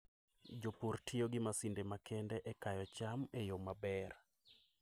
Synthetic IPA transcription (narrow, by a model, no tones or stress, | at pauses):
d͡ʒoportʰioɡɪmasindemakʰɛndɛʔɛkajɔt͡ʃamejomabɛr